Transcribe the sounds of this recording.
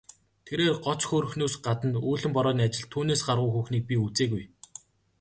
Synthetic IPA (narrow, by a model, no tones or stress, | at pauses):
t̪ʰeɾeːrɢɔt͡sxoɾɵ̆xnuːsɢat̪ə̆nuːɮɘ̆mpɔɾɔːniːat͡ɕɪ̆ɮt̪ʰːuːneːsɢarʁʊːjxuːxniːk̚pʲiut͡seːɣuj